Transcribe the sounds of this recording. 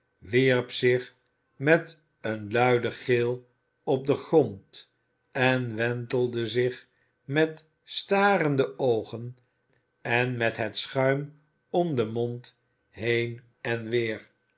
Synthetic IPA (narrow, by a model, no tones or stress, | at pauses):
ʋiɹpsɪχ | mɛt | ənlœɥdəχɪlˠ | ɔp̚dəχrɔnt | ɛnʋɛntəlˠdəzɪχ | mɛt | staːɾəndəowχən | ɛnmɛtɦətsχœɥm | ɔmdəmɔnt | ɦejn | ɛnʋɪːɹ